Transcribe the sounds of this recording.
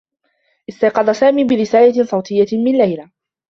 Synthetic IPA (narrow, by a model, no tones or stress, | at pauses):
ʔɪst̪ɑjqɑd̪ˤɑsaːmiːbɪɾɪsaːlasˤɑwt̪ʰˤɪjːamɪnlajla